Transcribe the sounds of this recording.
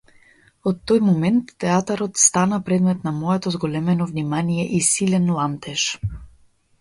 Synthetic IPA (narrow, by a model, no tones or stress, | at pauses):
ɔt̪ːɔjmɔmɛnt̪ːɛat̪aɾɔt̪st̪anapɾɛd̪mɛt̪namɔjɛt̪ɔzɡɔlɛmɛnɔvnimanijɛʔisilɛnlˠant̪ɛʃ